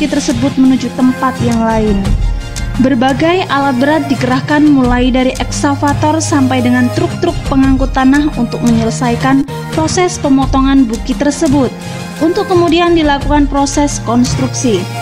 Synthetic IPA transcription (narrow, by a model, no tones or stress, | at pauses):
kit̪ərsəbʊt̪̚mənud͡ʒut̪ːəmpat̪jaŋlaɪn | bərbaɡajʔalat̪̚bəɾat̪̚dikəɾahkanmulajdaɾiʔɛksafat̪ɔrsampajdəŋant̪ɾʊk̚t̪ɾʊk̚pəŋaŋkut̪ːanahunt̪ʊk̚məɲələsajkan | pɾosɛspəmɔt̪ɔŋanbukit̪ərsəbʊt̪̚ | unt̪ʊkːəmudiandilakukanpɾosɛskɔnst̪ɾuksi